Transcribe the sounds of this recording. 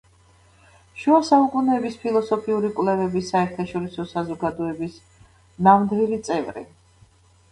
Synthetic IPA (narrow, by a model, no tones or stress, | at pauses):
ʃuasaukʼunɛːbispʰilˠɔsɔpʰiuɾikʼwlɛvɛbisaɛɾt̪ʰaʃɔɾisɔsazɔɡad̪ɔɛbis | namnd̪vilit̪sʼɛvɾḭ